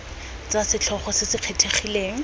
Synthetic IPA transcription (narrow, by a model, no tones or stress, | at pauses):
t͡sasɪt͡ɬʰɔχɔsɪsɪq͡χʰetʰeχileːŋ̩